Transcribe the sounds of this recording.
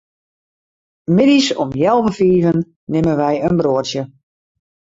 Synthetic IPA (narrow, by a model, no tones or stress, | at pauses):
mɪdisɔmjɛlˠvəfiːvənː | ɪmənʋɛjənbroətjə